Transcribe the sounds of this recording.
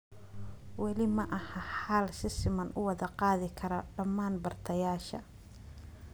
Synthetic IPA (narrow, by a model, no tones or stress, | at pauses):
wɑlɪmɐʔɐhɐħaːlsɪsɪmɐnʔʊ̰wɑðɐqɑːðɪkʰɐɾɔɖɐmːaːnbɐrt̪ʰɐjaːʃɐ̰